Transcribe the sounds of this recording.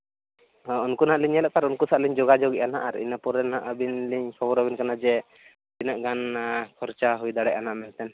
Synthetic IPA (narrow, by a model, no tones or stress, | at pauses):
ɦãɔnkunaʔliɲɛlɛʔ̚t̪aɾɔnkusaʔliɲd͡ʒɔɡad͡ʒɔɡɛʔanaʔaɾḭnapɔɾɛnaʔəbinliɲkʰɔbɔɾɔbinkanad͡ʒɛ | pinaʔɡankʰɔɾt͡ʃaɦujd̪aɽaɛjʔanaʔmɛnt̪ɛn